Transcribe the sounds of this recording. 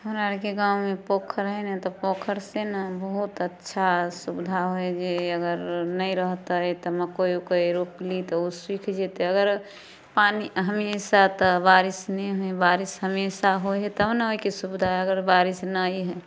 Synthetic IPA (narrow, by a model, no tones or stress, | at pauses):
ɦəmɾaɾkeɡãwmepokʰəɾəɦɛnet̪ɔpokʰəɾsenabəɦut̪ətːʃʰasubd̪ʱaɦoed͡ʒeəɡəɾnəiɾəɦt̪at̪ɔməkojokoiɾuplit̪ɔuswikʰd͡ʒet̪eəɡəɾ | paniɦəmsat̪ɔbaɾisnɛɦoebaɾisɦəmesaɦoɦɛt̪ːnaoikesubd̪ʱaɦɛəɡəɾbaɾisnaiɦɛ